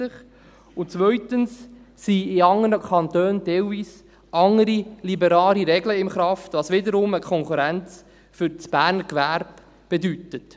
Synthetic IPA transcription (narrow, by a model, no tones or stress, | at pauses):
ɪχ | ʊt͡sʋœʏtənsː | iɪɑŋːənəkʰɑnt̪øːndɛlviːs | ʔɑŋəɾilibəɾɑːliɾɛɡləɪmχɾɑftʋɑsʋɪdəɾʊməkʰɔŋkuɾænt͡s | fʏɾt͡sb̥æːɾnəɾkʋæɾb | b̥edytət